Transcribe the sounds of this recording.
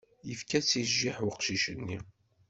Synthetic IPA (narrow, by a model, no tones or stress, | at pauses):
jəfkæsiʒːiħwɪqʃiʃənːi